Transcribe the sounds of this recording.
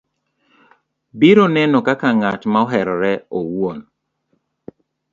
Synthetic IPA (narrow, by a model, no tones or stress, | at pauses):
biɾonɛnɔkakaŋatmaɔɦɛɾɔɾɛowɔn